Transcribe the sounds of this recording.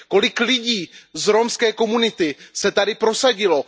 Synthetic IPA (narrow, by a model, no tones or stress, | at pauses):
ko̞lɪklɪɟiːzɾomskɛːko̞munɪt̪ɪsɛt̪adɪpɾo̞saɟɪlo̞